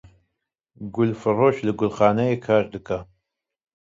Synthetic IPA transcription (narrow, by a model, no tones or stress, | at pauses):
ɡʷʊlfɨroʃlɨɡʷʊlχaːnɐekʰaːrdɨkʼɐ